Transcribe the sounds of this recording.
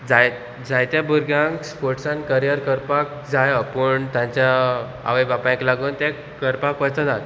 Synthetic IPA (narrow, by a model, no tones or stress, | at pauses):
d͡zaj | d͡zajt̪jabuɾɡãŋkspoɾʈsãnkəɾjəɾkəɾpak̚ | d͡zajapəɳt̪jãɲt͡ɕja | a̰ʋəjbapãj̃klaɡuːnt̪ɛ̃ | kəɾpakəjt͡sad͡zat̪